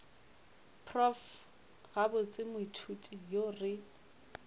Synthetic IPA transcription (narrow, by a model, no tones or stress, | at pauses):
pʰrɔf | ɣabʊt͡sʼɪmʊitʰutʼijorɪ